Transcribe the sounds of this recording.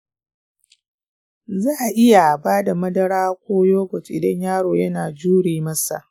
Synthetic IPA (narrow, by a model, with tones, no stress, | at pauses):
zaː˦ʔa˨ʔɪ˦ja˨baː˦da˨mɐ˦dɐ˦ɽaː˦kʷoː˦joː˦ɡʷɔ˨tʔɪ˨dɐ˦ɲjaː˦ɽoː˨jɐ˦naː˨d͡ʒuː˦ɽiː˨mɐ˦sa̰˨ʔ